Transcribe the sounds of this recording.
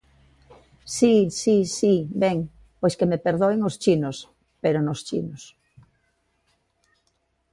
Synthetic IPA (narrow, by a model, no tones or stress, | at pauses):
sisisibɛŋ | pojskemepeɾðoeŋost͡ʃinos | peɾonost͡ʃḭnos